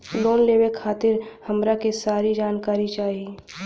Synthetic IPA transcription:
loːnleːwekʰaːt̪ɪɾhɐmɾakesaːɾid͡ʒaːnkaːɾit͡ʃaːɦie

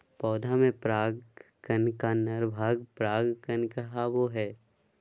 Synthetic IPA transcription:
pɔːd̪ʱamẽpɾaːɡkənkanəɾbʱaːɡpɾaːɡkənkəɦaʋoɦɛː

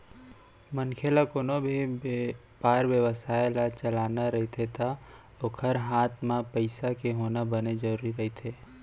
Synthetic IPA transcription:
mənkʰelakonobʱi | paːɾʋjəʋəsaːjlat͡ʃəlaːnaɾɐɦit̪ʰet̪ʰa | okʰəɾɦaːt̪ʰmãpəɪsakeɦoːnabəned͡ʒəɾuːɾiɾəɦit̪ʰeː

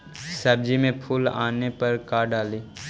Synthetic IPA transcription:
sɐb̚d͡ʒimẽpʰuːla̰ːnepɐɾkaːɾɖaːliː

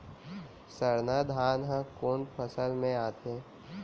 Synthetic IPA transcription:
səɾnaːd̪ʱaːnɦãkoːnpʰəsəlmẽaːt̪eː

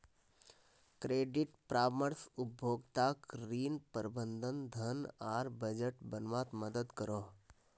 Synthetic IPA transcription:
kɾeːɖiʈpɾaːməɾsʊbʱoːɡt̪aːkɾiːnpəɾbənd̪ʱənd̪ʱənaːɾbəd͡ʒəʈbənʋãːt̪məd̪əd̪kəɾo

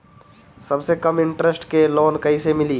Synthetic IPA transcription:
sɐbsekɐmɪ̃ɳʈɾəsʈkeloːnkɐisemɪliː

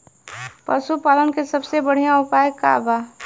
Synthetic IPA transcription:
pə̰supaːlənkesɐbsebəɽ̤ijãʊpaːjkːa̰baː

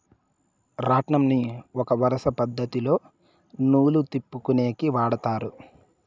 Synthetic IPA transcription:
ɾaːʈɳɐmniɔkɐʋɐɾɐsɐpɐd̪ʱːɐt̪ilo̞ː | nuːlut̪ipːukune̞ːkiʋaːɽɐt̪aːɾu

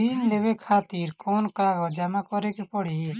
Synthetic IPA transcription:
iːnleːʋekʰaːt̪iɾkɔːnkaːɡɔd͡ʒamakɔɾekepɔɽ̤ie

